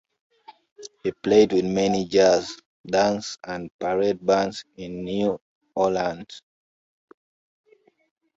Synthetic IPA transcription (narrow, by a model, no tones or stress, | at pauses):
hipledwiðmɛnid͡ʒaz | dãnsãnpaɹɛd̚bãnsĩnːju | ʔɔlãnd